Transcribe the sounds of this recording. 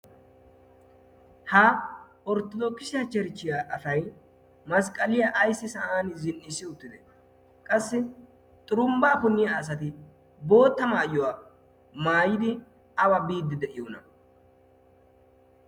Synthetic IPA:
ha | ɔɾt̪ɔd̪okːɪsɪjɐt͡ʃɛɾt͡ʃːɪjaːʔɐfɐj | mɐskʼɐlɪjɐʔːjsːɪsɐʔaːnzɪnʔɪsːɪʊt̪ːɪd̪ɛ | kʼɐsːɪ | t̪ʼʊɾʊmbɐːpʊnːɪjaːs̬ɐt̪ɪ | bo̞ːt̪ːɐmaːjɔwa | maːjɪd̪ɪ | ɐwɐbiːd̪ːɪd̪ɛʔɪjoːnɐ

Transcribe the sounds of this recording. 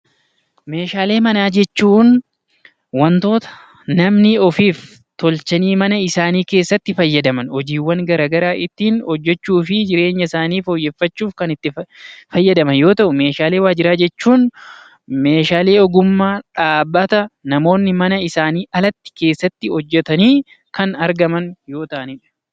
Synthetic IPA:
me̞ːʃaːle̞ːmɐnaːd͡ʒɛt͡ʃːuːn | wɐnt̪o̞ːt̪ɐ̥ | nɐmnɪɔfiːf | t̪ɔlt͡ʃɐniːmɐnɐɪsaːniːke̞ːsːɐt̪ːɪfɐjːɐd̪ɐmɐnhɔd͡ʒiːwːɐŋɡɐɾaːɡɐɾaːʔɪt̪ːiːnhɔd͡ʒːɛt͡ʃːuːfɪd͡ʒɪɾe̞ːɲːɐɪsaːniːfɔjːefːɐt͡ʃːuːfkɐnɪt̪ːɪfɐjːɐd̪ɐmɐnjo̞ːt̪ɐʔʊme̞ːʃaːle̞ːwaːd͡ʒɪɾaːd͡ʒɛt͡ʃːuːn | me̞ːʃaːle̞ːɔɡʊmːaːᶑaːbːɐt̪ɐnɐmo̞ːnːɪmɐnɐɪsaːniːʔɐlɐt̪ːɪ̥ke̞ːsːɐt̪ːɪhɔd͡ʒːɛt̪ɐniː | kɐnɐɾɡɐmɐnjo̞ːt̪ɐʔɐniːᶑɐ̥

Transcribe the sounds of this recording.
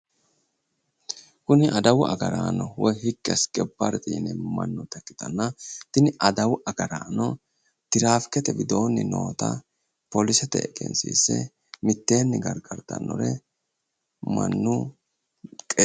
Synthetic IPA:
kʊnɪʔɐd̪ɐwʊʔɐ̰ɡɐɾa̰ːnɔwɔjhɪkːɛskʼɛbːɐɾt̪ʼɪːnɛmɐ̰nːʊt̪ɐkːɪ̥t̪ɐnːɐt̪ɪnɪʔɐd̪ɐwʊʔɐɡɐɾaːnɔ | t̪ɪɾaːfkːɛt̪ɛbɪd̪o̞ːnːɪno̞ːt̪ɐ̰ | pɔlɪsɛt̪ɛ̰ɛkʼɛ̰nsḭːsɛ̰ | mɪt̪ːeːnːɪɡɐɾɡʼɐɾt̪ɐ̰nːɔ̰ɾɛ | mɐ̰nːʊ | kʼɛ

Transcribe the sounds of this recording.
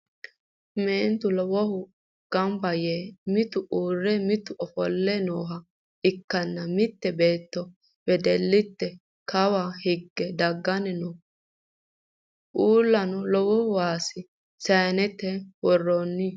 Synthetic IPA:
meːnt̪ʊlɔwɔhʊ | ɡ̥ɐmbɐjemɪt̪ʊʔuːrːɛmɪt̪ʊʔɔfɔlːɛnoːɦɐ | ɪkːɐnːɐmɪt̪ːɛbe̞ːt̪ːɔ | wɛd̪ɛlːɪt̪ːɛ | kɐwahɪɡːɛd̪ɐɡːɐnɛnɔ | ʔuːlːɐnɔlɔwɔhʊwaːsɪ | sɐnɛt̪ɛwɔrːoːnːɪ

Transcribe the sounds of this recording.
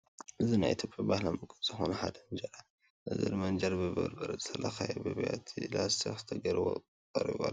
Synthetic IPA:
ʔɨzinajʔit̪ʰjopʼjabahlamɨkʼɨz̥ɨxonɐħad̪ɐnd͡ʒɐɾa | ʔɨzɨ̰ɾɨmɐnd͡ʒɐɾbɨbɐ̰ɾbɐɾɐzɨt̪ʰɐlɐxajɛbɨβɐja̰t̪ʰilast̪ʰixzɨ̥t̪ʰɐɡɐɾɨβo̰ | kʼɐɾḭβa̰

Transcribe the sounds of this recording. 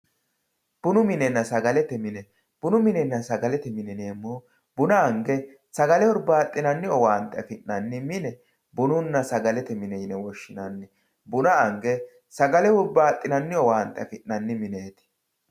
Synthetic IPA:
b̥ʊnʊmɪnɛnːɐsɐɡɐlɛt̪ɛmɪnɛ | b̥ʊnʊmɪnɛnːɐsɐɡɐlɛt̪ɛmɪnɪneːmːo | bʊnɐːŋɡɛ | sɐɡɐlɛʊɾbaːt̪ʼːɪnɐnːɪɔwaːnt̪ːɐɐfɪʔnɐnːɪmɪnɛ | bʊnʊnːɐsɐɡɐlɛt̪ɛmɪnɛjnɛwɔʃːɪnɐnːɪ | bʊnɐːŋɡɛ | sɐɡɐlɛhʊɾbaːt̪ʼːɪnɐnːɪɔaːnt̪ɐɐfɪʔnɐnːɪmɪneːt̪ɪ̥

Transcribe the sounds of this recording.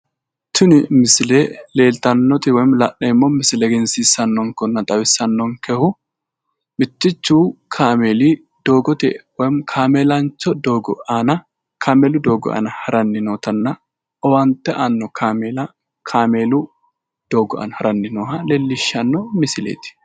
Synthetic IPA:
t̪ʊnɪmɪsɪleːle̞ːlt̪ɐnːɔt̪ɪwɔjmlɐʔnɛɪmːomɪsɪlɛɡɛnsiːsɐnːɔŋkɔnːɐt̪ʼɐwɪsːɐnːɔŋkɛhʊ | mɪt̪ːɪt͡ʃːuːkʰaːmeːliː | d̪̥oːɡɔt̪ɪ̰wɔjmkʰaːmeːlɐnt͡ʃːɔd̪o̞ːɡɔ̰ʔanɐ | kʰaːmeːlʊd̪oːɡɔ̰ʔa̰ːnɐhɐɾɐnːɪnoːt̪ɐnːɐ | ʔɔwɐnt̪ːɛʔanːɔkʰaːmeːlɐ | kʰaːmeːlʊ | d̪̥o̞ːɡɔʔɐ̰nhɐɾɐnːɪnoːhɐleːlːɪʃːɐnːɔmɪsɪlḛːt̪ɪ̥

